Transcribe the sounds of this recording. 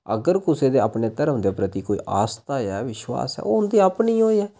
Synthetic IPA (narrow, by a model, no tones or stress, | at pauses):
ə̰ɡəɾkʊseːd̪eːaːpneːt̪əɾõnd̪eːpɾət̪iːkoːḭːʔa̰ːst̪aːjɛːʋɪʃwa̰ːsɛ̰ːoʊnd̪iːapniːɦoːɛː